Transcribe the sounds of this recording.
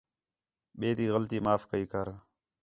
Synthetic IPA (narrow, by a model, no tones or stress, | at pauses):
ɓeːt̪iːɣəlt̪iːmaːfkəiːkəɾ